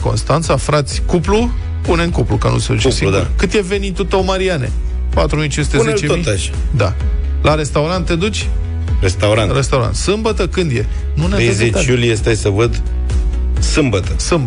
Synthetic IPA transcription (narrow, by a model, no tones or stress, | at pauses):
ko̞̰nst̪ant̪safɾat̪sʲkuplu | puneŋkuplukənṵsed̪ut͡ʃesiud̪a̰kɨt̪jeve̞nit̪ːut̪omaɾianḛ | pat̪ɾumijt͡ʃinsut̪ezet͡ʃemit̪aʃad̪a | laɾe̞st̪auɾant̪ːe̞d̪ut͡ʃʲ | ɾest̪awɾanɾest̪awɾa̰nt̪sɨmbət̪əkɨnd̪je | nuneezet̪julijest̪ajsəvəd̪ | sɨmbət̪əsɨmb